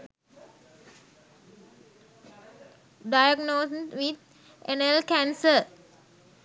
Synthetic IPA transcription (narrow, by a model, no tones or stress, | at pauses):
ɖajaɡnoːsʋit̪̚ | enelkæ̃nsəɾ